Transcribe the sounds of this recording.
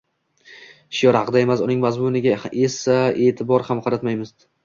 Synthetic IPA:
ʃjɒɾhɑqɨd̪ae̞masʊnɪŋmazmʊnɪɡʲaesae̞ːt̪ʰɪbɒɾhamqʰɑɾat̪majmɪz̥

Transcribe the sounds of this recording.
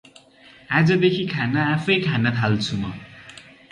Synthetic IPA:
ad͡zʌd̪ekʰikʰanaːpʰʌjkʰanat̪ʰalt͡sʰumʌ

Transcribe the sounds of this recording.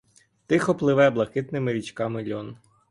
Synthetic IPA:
t̪ɪxɔplˠɪʋɛblˠɐkɪt̪nɪmɪɾʲit͡ʃkɑmɪlʲɔn

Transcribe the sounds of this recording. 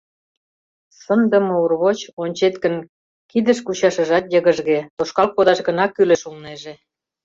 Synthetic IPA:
sənd̪ə̆mə̆urβot͡ɕonʲt͡ɕet̪kə̆n | kid̪ə̆ʃkut͡ɕɑʃə̆ʒɑt̪jə̆ɣə̆ʒɣet̪oʃkɑlk̚pod̪ɑʃɡə̆nɑkːylĕʃulneʒe

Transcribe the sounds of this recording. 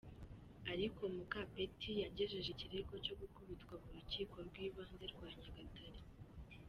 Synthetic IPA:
aɾiko̞mukape̞tijaɟe̞ʒe̞ʒiciɾeko̞co̞ɡukuβitkwamuɾuciːko̞ɾɡwiːβaːnze̞ɾɡwaːɲaɡatʰaɾi

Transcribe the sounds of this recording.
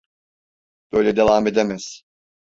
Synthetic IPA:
b̥øjlʲed̪evaːmed̪emɛz̥

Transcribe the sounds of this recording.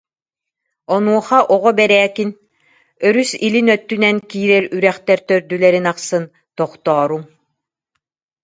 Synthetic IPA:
ɔnuɔχaʔɔʁɔbɛɾɛːkin | œɾysilinœt̪ːynɛnkiːɾɛɾyɾɛχt̪ɛɾt̪œɾd̪ylɛɾinaqsɯn | t̪ɔχt̪ɔːɾum

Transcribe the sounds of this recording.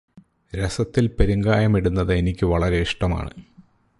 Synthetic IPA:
ɾesɐt̪ːilpe̞ɾuŋɡaːjɐmiɽunːɐðɨenikʲːɨʋɐɭɐɾe̞iʂʈɐma̰ːɳɨ̰

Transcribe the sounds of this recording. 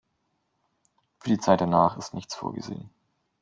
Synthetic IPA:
fyːɐdiːt͡saɪt̚d̥anaːχɪstnɪçt͡sfo̰ːɐɡə̰zḛːən

